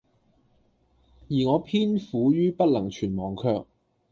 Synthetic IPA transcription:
jiː˨˩ŋɔː˨˧pʰiː˥nfuː˨˥jyː˥pɐ˥t̚lɐ˨˩ŋt͡ʃʰyː˨˩nmɔː˨˩ŋkʰœː˧k̚

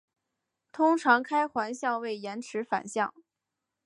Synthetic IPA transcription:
t̪ʰʊ˥ŋʈ͡ʂʰɑ˧˥ŋkʰa˥ɪxwa˧˥nɕjɑ˥˧ŋwe˥˩ɪjɛ˧˥nʈ͡ʂʰɻ̩˧˥fa̰˨˩nɕjɑ̰˥˩ŋ

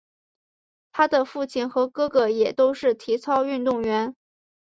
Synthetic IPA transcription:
t̪ʰa˥d̪ə˨fu˥˩t͡ɕʰi˥˩nxɤ˧˥kɤ˥ɡɤ˧jɛ˨˩t̪o˥ʊʂɻ̩˥˩t̪ʰi˧˥t͡sʰɑ˥ʊy˥˧nt̪ʊ˥˩ŋɥɛ˧˥n

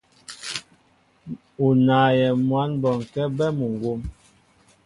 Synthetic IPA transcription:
u˨naː˨jɛ˨mwa˨˦nbɔ˨ŋ˨kɛ˦bɛ˦mu˨ŋɡwo˦m

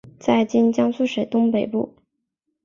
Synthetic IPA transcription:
t͡sa˥˩ɪt͡ɕi˥nt͡ɕjɑ˥ŋsu˥˩ʂe˨˩ɪt̪ʊ˥ŋpe˨˩ɪpṵ˥˩

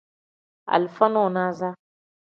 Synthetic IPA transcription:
a̰˨lfa˦nɔ˦˨na˦za˦

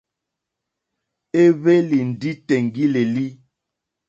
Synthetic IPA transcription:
e˦βe˦li˨n̩˨di˦tɛ˨ŋ˨ɡi˦le˨li˦

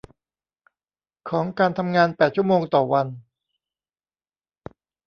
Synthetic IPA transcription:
kʰɔː˩˦ŋkaː˧nt̪ʰa˧mŋaː˧npɛː˨˩t̪̚t͡ɕʰu˥˩ə˨moː˧ŋt̪ɔː˨˩wa˧n

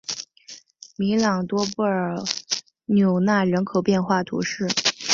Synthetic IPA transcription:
mi˧˥lɑ˨˩ŋt̪wɔ˥pu˥˩ə˞˨˩ | njo˨˩ʊna˥˩ɻə˧˥nkʰo˨˩ʊpjɛ˥˧nxwa˥˩t̪ʰṵ˧˥ʂɻ̩˥˩

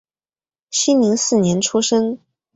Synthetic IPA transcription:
ɕi˥nli˧˥ŋsɹ̩˥˩njɛ˧˥nʈ͡ʂʰu˥ʂɤ˥ŋ

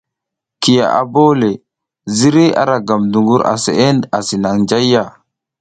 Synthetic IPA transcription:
ki˨ja̰˨ʔa̰˨bo˦le˨ | zi˦ɾi˦a̰˦ɾa˨ɡa˨mdu˨ŋɡu˦ɾa̰˨se˨ʔe˦na˨si˨na˨ŋd͡ʒa˦jːa˦˨

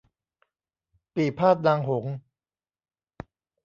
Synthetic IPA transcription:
piː˨˩pʰaː˥˩t̪̚naː˧ŋɦo˩˦ŋ

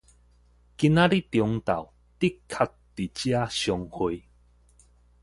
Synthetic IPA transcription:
ki˨naɾi˦tjʊ˧˦ŋt̪a̰˨w | t̪i˦kʰːa˥˧tːi˨t͡ɕia˦ɕɔ˨ŋhu˨j

